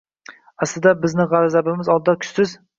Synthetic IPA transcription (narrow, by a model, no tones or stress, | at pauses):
aslɪd̪abɪznɪʁaɾazabɪmɪzɒlˠd̪̚d̪ɑkʲʰʊ̥ssɪz